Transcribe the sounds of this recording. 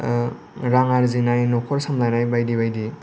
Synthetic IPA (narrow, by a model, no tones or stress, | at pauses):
ɾaŋaɾzinajnɔkʰɔɾsamlajnajbajdibajdi